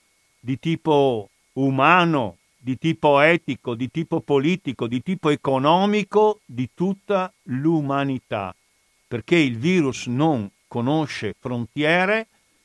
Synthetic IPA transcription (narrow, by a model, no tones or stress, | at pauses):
d̪it̪iːpo | umaːno | d̪it̪iːpoɛːt̪ikod̪it̪iːpopoliːt̪ikod̪it̪iːpoekonɔːmikod̪it̪ut̪ːa | lumanit̪a̰ | perkeilviːɾusnoŋkonoʃːefɾont̪jɛːɾe